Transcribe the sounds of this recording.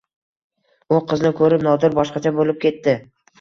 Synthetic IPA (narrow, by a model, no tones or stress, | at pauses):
ʊqʰɨznɪkʰɵɾɪpnɒd̪ɪɾbɒʃqɑt͡ʃʰabolɪp̚kʲe̞t̪ːɪ